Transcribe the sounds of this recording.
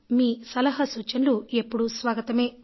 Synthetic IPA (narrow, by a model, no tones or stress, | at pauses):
miːsɐlɐɦɐsuːt͡ʃɐnlue̞pːuɽusʋaːɡɐt̪ɐme̞ː